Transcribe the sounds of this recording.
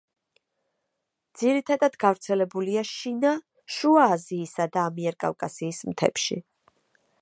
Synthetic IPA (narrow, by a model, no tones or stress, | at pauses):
d̪̥z̥iɾit̪ʰad̪ad̪ɡavɾt̪sʰɛlɛbuliaʃina | ʃuaːziːsad̪aːmiɛɾkʼa̰vkʼasiːsmt̪ʰɛ̰pʃḭ